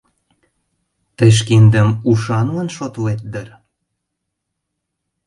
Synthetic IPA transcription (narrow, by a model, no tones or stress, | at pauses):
t̪əjʃ̬kind̪ə̆muʃɑnlənʃot̪let̪̚d̪ər